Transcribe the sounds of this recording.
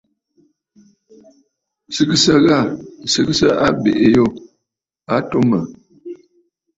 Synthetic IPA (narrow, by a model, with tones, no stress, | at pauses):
sɨ˦kɨ˦sə˦ɣa˦˨sɨ˦ksə˦ʔa˦bḛ˨ʔe˨jo˦˨ | a˦to˦mə˨